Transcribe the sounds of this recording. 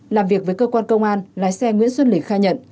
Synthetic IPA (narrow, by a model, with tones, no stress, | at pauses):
laː˨˩mvi˨˩ək̚vəː˨˦jkəː˧kwaː˧nkə˧wŋ͡mʔaː˧nlaː˨˦jsɛ˧ŋwḭ˧˥ənswə˧nlï˨˧˩xaː˧jɲə̰˧˨n